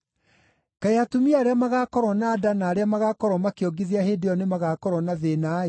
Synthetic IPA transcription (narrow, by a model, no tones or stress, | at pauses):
kaeatomiaːɾeamaɣakɔɾwɔnaːdanaːɾeamaɣakɔɾɔmakeɔɡeðiaɦedeɔnemaɣakɔɾwɔnaðena